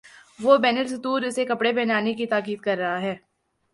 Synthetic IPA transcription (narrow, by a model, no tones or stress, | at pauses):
ʋobɛːnəlsɐt̪uːɾɪsekɐpɽebɛɦnaːnekit̪aːkiːd̪̚kɐɾːɐɦaɦɛː